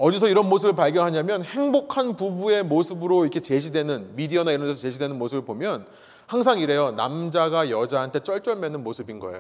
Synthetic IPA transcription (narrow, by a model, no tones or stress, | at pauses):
ʌd͡ʑisʰʌiɾʌnmosʰɯbɯɭpaɭɡjʌnɦaɲamjʌnhe̞ŋbokʰanpubue̞mosʰɯbɯɾoikʰe̞t͡ɕe̞ɕʰidwe̞nɯnmidiʌnaiɾʌndesʰʌt͡ɕe̞ɕʰidwenɯnmosʰɯbɯɭpomjʌn | haŋs̬ʰaŋiɾe̞jʌnamd͡ʑaɡajʌd͡ʑaɦantʰe̞t͡ɕ͈ʌɭt͡ɕ͈ʌɭme̞nɯnmosʰɯbinɡʌ̰ḛjo